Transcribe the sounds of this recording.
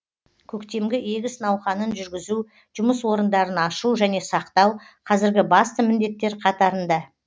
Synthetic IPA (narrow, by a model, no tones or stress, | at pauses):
kʲʰɵkt̪e̞mɡʲɪe̞ɡʲɪsnɑwχɑnənʒʏɾɡʲɪzu | ʒ̥ʊməswo̞ɾənd̪ɑɾənɑʃuʒæne̞sɑqt̪ɑwqʰɑzɪɾɡʲɪbɑst̪əmɪnd̪e̞t̪ːe̞ɾqʰɑt̪ɑɾənd̪ɑ